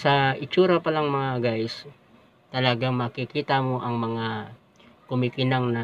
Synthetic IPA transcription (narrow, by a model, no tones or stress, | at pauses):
sɐɪt͡ʃuːɾɐpɐlaŋmɐŋaɡajs | t̪ɐlɐɡaŋmɐkɪkiːt̪amo̞ʔɐŋmɐŋa | kʊmikɪnaŋnɐ